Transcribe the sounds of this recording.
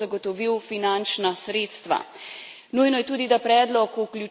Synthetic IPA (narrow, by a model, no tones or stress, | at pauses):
aɡɔt̪ɔʋiwfinant͡ʃnasɾeːt̪st̪ʋa̰ | nujnɔjɛt̪uːd̪id̪apɾɛːd̪lɔkuklʲju